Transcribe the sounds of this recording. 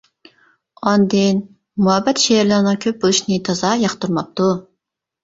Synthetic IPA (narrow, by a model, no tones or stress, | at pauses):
ɑnd̪ɪn | muɦɛbːɛt̪ʃeɾlˠɨɾnɨŋkʲʰøp̚bolˠuʃnɪt̪ʰɑzɑjɑχt̪uɾmɑp̚t̪u